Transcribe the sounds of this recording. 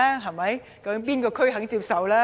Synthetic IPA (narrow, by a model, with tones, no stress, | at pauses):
a˦˥ɦɐ˨˩jmɐ˨˥j | kɐ˨˥mp̬iː˥nkɔː˧kʰɵ˥ɦɐ˨˥ŋt͡siː˧p̚sɐ˨wlaː˦˥